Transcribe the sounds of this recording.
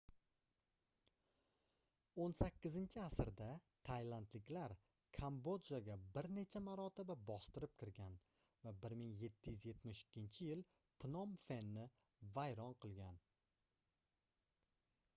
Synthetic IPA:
onsakʲːɪzɪnt͡ʃʰɪasɾd̪at̪ʰajlˠant̪lɪkʲlaɾ | kʰambo̞d͡ʒaɡʲabɪɾne̞t͡ʃʰamaɾɒt̪ɪbabɒst̪ɪɾɪp̚kʲʰɪɾɡʲan | vabɪɾmɪŋje̞t̪ʰːɪjyzje̞t̪mɪʃɪ̥kʲːɪnt͡ʃʰɪjɪl | pʰnɒmfe̞nːɪ | vajɾɒnqʰɨlˠɡʲan

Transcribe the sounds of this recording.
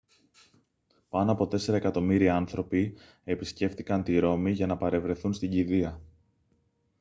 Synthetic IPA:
pɐnoɐpo̞t̪e̞se̞ɾɐekɐt̪o̞miɾiɐnθɾo̞pi | e̞pisce̞ft̪ikɐnt̪iɾo̞miʝɐnɐpɐɾe̞vɾe̞θunst̪iɲɟiðiɐ

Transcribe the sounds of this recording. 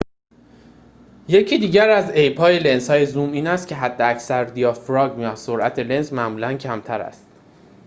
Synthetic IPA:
je̞cʰiːd̪iːɟæɾæze̞jpʰɒːjele̞nsɒːje̞zuːmiːnæst̪cʲʰe̞ɦæd̪ːeæcsæɾd̪ijɒːfɾɒːɡmjɒso̞ɾʔæt̪ʰe̞le̞nsmæmuːlæncʰæmt̪ʰæɾæ̰st̪

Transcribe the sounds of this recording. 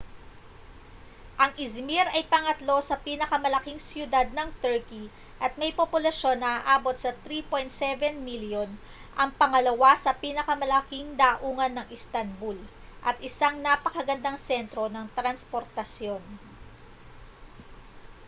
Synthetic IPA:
ʔɐŋʔɪzmiɾɐjpɐŋɐt̪lo̞sɐpiːnɐkɐmɐlɐkiŋsjʊd̪ad̪̚nɐŋt̪ɛɹki | ʔɐt̪̚mɐjpopʊlɐʃo̞nːɐaʔaːbo̞t̪̚sɐt̪ɾipo̞jnt̪sɛvɛnmiljon | ʔɐŋpɐŋɐlɐwasɐpiːnɐkɐmɐlɐkiŋd̪aʔuːŋɐnːɐŋʔɪst̪ɐnbul | ʔɐt̪̚ʔɪsaŋnapɐkɐɡɐnd̪aŋsɛnt̪ɾo̞nɐŋt̪ɾɐnspo̞ɾt̪ɐsjo̞n

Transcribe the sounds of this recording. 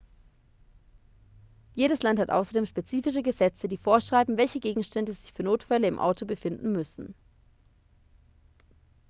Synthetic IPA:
jeːɾəslanthatʔa̰ʊsɐdeːmʃpet͡siːfɪʃ̬əɡəzɛt͡sədiːfoːɐʃʁ̥aɪbm̩vɛlçəɡeːɡŋ̩ʃtɛndəzɪçfyːɐnoːtfɛləɪmʔa̰ʊtʰobəfɪndn̩mʏsn̩

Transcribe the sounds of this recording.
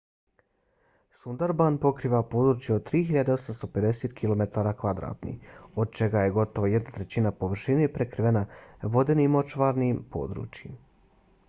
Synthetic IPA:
sund̪aɾbanpo̞kɾiːʋapo̞ːd̪ɾuːt͡ɕjeod̪̚t̪ːɾiːɦiʎad̪eo̞samst̪o̞pe̞d̪e̞set̪kʰilo̞me̞t̪aːɾakʋad̪ɾa̰ːt̪nḭo̞d̪̚t͡ʃe̞ɡaje̞ɡo̞t̪o̞ʋoje̞d̪nat̪ɾe̞t͡ɕinapo̞ʋr̩ʃinepɾekɾiʋenaʋo̞d̪enimo̞t͡ʃʋaɾnimpo̞̰ːd̪ɾṵːt͡ɕjim

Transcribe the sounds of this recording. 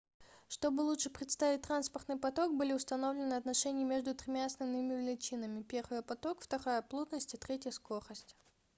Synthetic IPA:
ʂt̪o̞bɨlˠutʂɨpɾʲɪt̪st̪avʲɪt̚ʲt̪ranspərt̪nɨjpɐt̪o̞k̚bɨlʲɪʊst̪ɐno̞vlʲɪnɨɐt̪nɐʂɛnʲɪjəmʲeʐd̪ʊt̪ɾʲɪmʲaɐsnɐvnɨmʲɪvʲɪlʲɪt͡ɕinəmʲɪpʲe̞rvɨjəpɐt̪o̞kft̪ɐɾajəplˠud̪nəsʲtʲɪt̪ɾʲetʲjəskoɾəsʲtʲ

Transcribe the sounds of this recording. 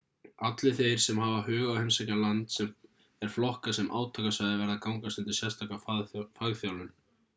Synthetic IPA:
at̪lɪθejɾ̥sɛmɦaːvahœːɣawhenmsacalant̪sɛm | ɛɾ̥flɔhkasɛmʔa̰ːwt̪ʰaːkasvajðɪvɛɾðakawŋkast̪ɛnt̪ɪsjɛst̪ʰaːkafafaɣθjawlʏn

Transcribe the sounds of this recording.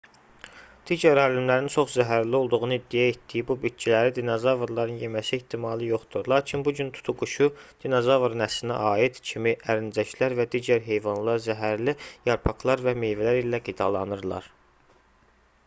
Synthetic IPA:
d̪̥iːɟæɾɑblimlæɾint͡ʃʰo̞χzæɦæɾlio̞lˠd̪uɣunɯid̪ːijæet̪d̪ijibubit̪̚t͡ʃʰilæɾid̪inozɑvuɾlˠɑɾɯnje̞mæsieht̪ʰimɑːlˠɯjo̞χd̪uɾlˠɑːɾcʰinbuɟynt̪ʰu̥t̪ʰuɡuʃud̪̥inozɑvɾnæslinæ̰ʔɑːid̪̥cʰimiʔæɾind͡ʒæʃʰlæɾvæd̪iːɟæɾɦe̞jvɑnlˠɑɾzæɦæɾlijɑɾpʰɑklˠɑɾvæmejvælæɾilæɡid̪ɑlˠɑnɯɾlˠɑ̰ɾ

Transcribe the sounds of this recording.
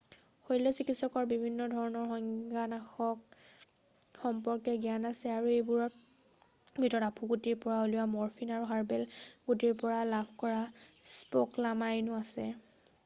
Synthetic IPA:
hojlɔsikitsɔkɔɹbibʱinːɔdʱɔɹɔnɔɹxɔŋɡanaxɔk | xɔmpɔɹkɛɡijanasɛaɹuejbuɹɔ | bʱitɔtapʰuɡutiɹpɔɹaoluwamɔɹfʰinaɹuɦaɹbɛlɡutiɹpɔɹalabʱkɔɹa | spoklamajnʊasɛ

